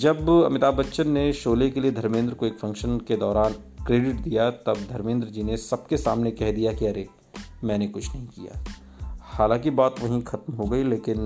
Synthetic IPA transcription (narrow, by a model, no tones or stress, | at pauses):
d͡ʒɐbɐ̰mɪt̪aːbɐtːʃənːeʃoːlekelied̪ʱɐɾmẽːnd̪ɾəkoeːkfɐ̃ŋkʃənked̪ɔːɾaːn | kɾeːɖɪʈd̪ijat̪ɐb̚d̪ʱɐɾmẽːnd̪ɾəd͡ʒiːnesɐb̚kesaːmnekɛɦd̪ijakiɐɾe | mɛ̃ːnekʊt͡ʃʰnɐɦĩkḭja̰ː | haːlãːŋkibaːt̪ʋɐɦĩxʰɐt̪mɦoɡɐileːkɪn